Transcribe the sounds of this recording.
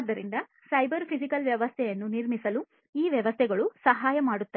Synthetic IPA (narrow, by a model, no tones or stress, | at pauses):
d̪ːɐɾind̪ɐ | sɐjbɐɾpʰisikɐlʋjɐʋɐst̪ʰɛjɐnːuniɾmisɐlu | iːʋjɐʋɐst̪ʰɛɡɐɭusɐɦaːjɐmaːɽut̪ːɐ